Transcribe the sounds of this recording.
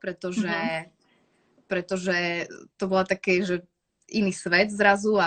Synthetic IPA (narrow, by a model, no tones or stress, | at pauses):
pɾɛt̪ɔʒɛ | pɾɛt̪ɔʒɛt̪ɔbɔlat̪akɛːʒɛ | iniːsʋɛd̪zɾazua